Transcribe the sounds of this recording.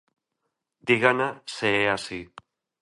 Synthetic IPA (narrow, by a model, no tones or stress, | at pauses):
d̪iɣanaseeasi